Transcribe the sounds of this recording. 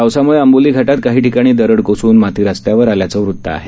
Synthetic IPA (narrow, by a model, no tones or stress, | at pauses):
awsamuɭeəmboliːɡʱaʈat̪̚kaɦiːʈikaɽ̃iːd̪əɾəɽkosuːnmat̪iːɾast̪jaʋəɾaljat͡səʋɾud̪ʱːə̰a̰ɦe